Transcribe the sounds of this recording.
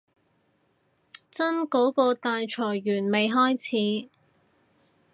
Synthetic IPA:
t͡sɐ˥nkɔː˨˥kɔː˧t̪aː˧jt͡ʃʰɔː˨˩jːyː˨˩nme˨jɦɔː˥jt͡sʰiː˨˥

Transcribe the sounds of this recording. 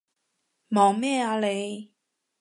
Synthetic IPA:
mɔː˨˩ŋmɛː˥˨aː˧le˨˧j

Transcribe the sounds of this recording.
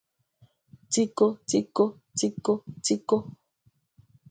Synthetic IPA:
t͡si˦ko˦t͡si˦ko˦ | t͡si˦ko˦t͡si˦ko˦

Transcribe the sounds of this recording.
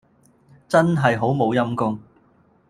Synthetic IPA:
t͡sɐ˥nɦɐ˨jɦo˨˥wmo˨˧wjɐ˥mkʊ˥ŋ

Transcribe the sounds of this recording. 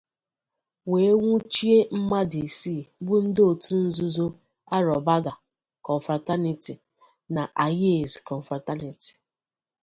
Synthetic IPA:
we˦e˦ŋʷu˦t͡ʃi˦e˦m̩˦ma˦di˨si˦˨bʊ˦n̩˦do˨tu˦n̩˦zʊ˦zo˦ | a˦ɾɔ˨ba˦ɡa˨ | kɔ˨ɱ˨fɾa˨ta˦ni˨ti˨ | na˨ʔa˨je˦˨zkɔ˨ɱ̩˨fɾa˨ta˦ni˨ti̥˨

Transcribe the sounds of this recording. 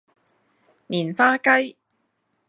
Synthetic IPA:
niː˨˩nfaː˥kɐ˥j

